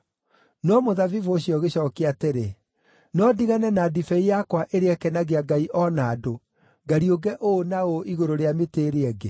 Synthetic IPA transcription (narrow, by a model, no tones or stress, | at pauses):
nɔmoðavivoɕjɔɣeɕɔːkeateɾe | nɔdiɣanɛnadifɛijakwaʔeɾeɛkɛnaɣeaɡaiʔɔnaːdo | ɡaɾioɡɛʔonaoʔiɣoɾoɾeameteːɾeɛɡe